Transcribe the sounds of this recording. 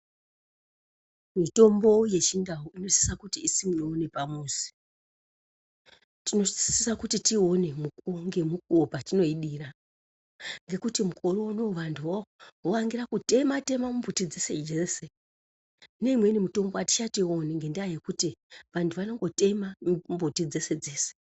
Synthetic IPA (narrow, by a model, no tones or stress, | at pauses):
mito̞mbo̞je̞t͡ʃindauino̞zi̥sakutiːsimunoːne̞pamuːsi̥ | tinosisakutitio̞ne̞mukŋɡe̞muk̚uopatino̞iɗira | ŋɡe̞kutimuko̞rounoʋantʰuwooʋaŋɡiɾakute̞mate̞mamumbutid͡ze̞se̞̰d͡ʒeːse̞ | ne̞imwe̞inimuto̞mboati̥t͡ʃatio̞neŋɡe̞ndaaje̞kutiʋantʰuʋano̞ŋɡo̞te̞mambutid͡ze̞se̞d͡zeːse̥